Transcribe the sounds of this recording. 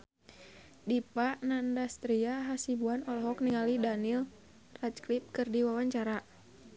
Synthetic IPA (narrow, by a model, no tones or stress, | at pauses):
dipaʔnandast̪ɾiaɦasibuanɔlɔɦɔkniŋalidanil | rat͡ʃklip̚kɨrdiwawaɲt͡ʃaɾa